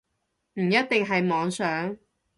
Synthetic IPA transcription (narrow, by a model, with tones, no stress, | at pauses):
m̩˨˩jɐ˥t̪̚t̪ɪ˨ŋɦɐ˨jmɔː˨˧ŋsœː˨˥ŋ